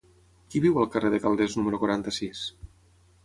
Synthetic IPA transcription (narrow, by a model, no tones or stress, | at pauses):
kiβiwəlˠkəreðəkalˠd̪eznuməɾukwaɾant̪əsis